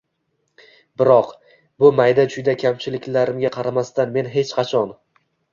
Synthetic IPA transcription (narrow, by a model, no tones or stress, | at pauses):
bɪɾɒq | bʊmajd̪ad͡ʒʰʊjd̪akʲʰamt͡ʃʰɪlɪkʲlaɾɪmɡʲaqʰɑɾamast̪anme̞nɦe̞t͡ʃqʰɑt͡ʃʰɒn